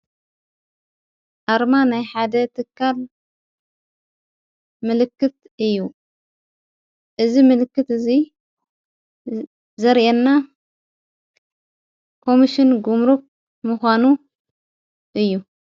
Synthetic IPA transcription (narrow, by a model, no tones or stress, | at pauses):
ʔaɾmanajħad̪ɐt̪ʰɨkʰːal | mɨlɨkːɨt̪̚ | ɨjːu | ʔɨzimɨlɨkːɨt̪ɨzi | zɐɾʔɛnːa | kʰo̞miʃɪnɡumɾuk̚ | muxʷanu | ʔɨjːu